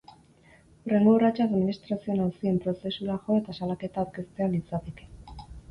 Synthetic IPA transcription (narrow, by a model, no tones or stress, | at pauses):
ure̞ŋɡorat͡ʃaaðminist̪ɾasio̞nawsie̞mpɾo̞se̞suɾaʝo̞et̪asalake̞t̪aːwɾke̞st̪e̞alit͡sat̪eke̥